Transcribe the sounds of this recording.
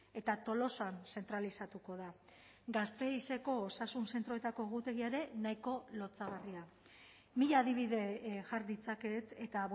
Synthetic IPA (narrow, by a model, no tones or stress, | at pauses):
e̞t̪at̪o̞lo̞sanse̞nt̪ɾalisat̪uko̞ða | ɡast̪e̞ise̞ko̞ːsasunse̞nt̪ɾo̞e̞t̪ako̞eɣ̞ut̪e̞ɣ̞iaeɾe̞naiko̞lo̞t͡saɣ̞aria | miʎaːðiβ̞iðe̞ʝaɾd̪it͡sake̞t̪et̪a